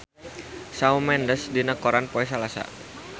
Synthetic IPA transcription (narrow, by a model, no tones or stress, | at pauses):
saumɛndəsdinakoɾanpoɛs̬alasa̰